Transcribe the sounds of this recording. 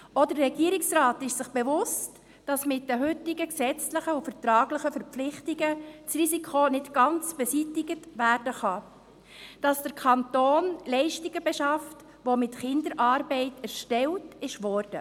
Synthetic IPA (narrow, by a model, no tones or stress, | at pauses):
ɔdərɛɡiːəɾɪksɾɑːtɪʃsɪχb̥ɛʋʊst | d̥ɑsmɪtdəɦʏtːɪɡəksɛt͡slɪχəufəɾtɾɑːɡləχəfəɾpflɪχtɪɡət͡srisikʰonɪtɡ̥ɑnt͡sb̥ɛsitɪɡətʋæɾd̥əχɑ | d̥ɑsd̥əɾkʰɑntoːnlɛɪʃtiɡəbɛʃɑft | ʋomɪtχɪndəɾʔɑːɾbɛɪtæɾʃtɛltɪʃʋɔːrd̥ə